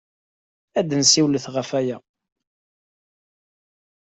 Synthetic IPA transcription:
æd̪ənsiwləθʁəfæjæ

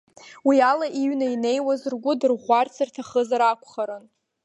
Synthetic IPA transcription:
wialaʔiɥnaine̞jwazrɡʷʊdɨrʁʷart͡sʰɨrtʰaχəzaɾakʷʰʼχaɾɨn

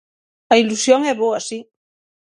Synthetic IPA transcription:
ailusjõŋɛβoasi

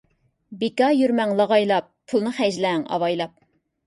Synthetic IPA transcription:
bekʲɑjyɾmɛŋlˠɑʁɑjlˠɑp̚ːʰulˠnɨχɛd͡ʒlɛŋɑ̰wɑjlˠɑp̚

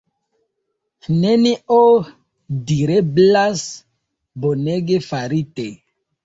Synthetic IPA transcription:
nenio | diɾeblas | boneɡefaɾite

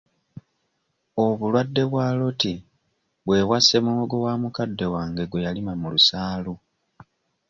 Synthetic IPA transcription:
o̞βulwadːe̞βwaːlo̞ti | βwe̞ːwase̞muoɡo̞waːmukadːe̞waːŋɡe̞ɡwe̞jalimamulusaːlu

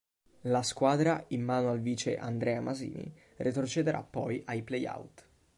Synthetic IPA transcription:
laskwaːd̪ɾaimːaːnoalviːt͡ʃḛʔand̪ɾɛːamʔazḭːnḭ | rʔet̪ɾot͡ʃed̪eɾʔa̰pːɔjʔajpleja̰wt̪

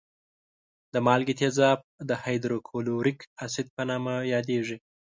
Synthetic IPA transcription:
d̪əmɑlɡit̪ezɑb̚d̪əhajd̪ɾokʰoluɾɪkasɪd̪̚pənɑmajɑd̪eʐi

